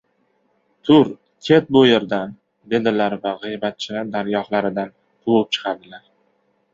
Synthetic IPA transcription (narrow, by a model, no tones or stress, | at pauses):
t̪ʰʊɾ | kʲʰe̞t̪̚bʊjeɾd̪an | d̪e̞d̪ɪlaɾvaʁɨjbat̪̚t͡ʃʰɪlaɾd̪aɾjɒhlaɾɪd̪an | t̪ʰʊwɨp̚t͡ʃʰɨ̥qʰɑɾd̪ɪlaɾ